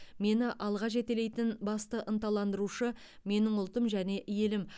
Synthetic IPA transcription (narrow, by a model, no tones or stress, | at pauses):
me̞nɪʔɑlˠʁɑʒe̞t̪ele̞jt̪ɪnbɑst̪əʔənt̪ɑlˠɑnd̪əɾuʃə | me̞nɪŋʊlˠt̪əmʒæne̞ʔɪje̞lɪm